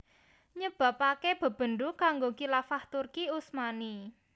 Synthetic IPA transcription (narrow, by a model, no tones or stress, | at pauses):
ɲəb̥ä̤pakeb̥ə̤b̥ə̤ndukaŋɡokilafaht̪urkiusmani